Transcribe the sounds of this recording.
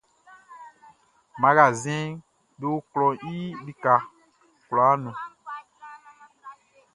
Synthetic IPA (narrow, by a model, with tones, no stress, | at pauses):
mã˨˦ɡa˨zɛ̃˦ | do˦klɔ̃˨i˦li˦ka˨ | kla˨˦nũ˨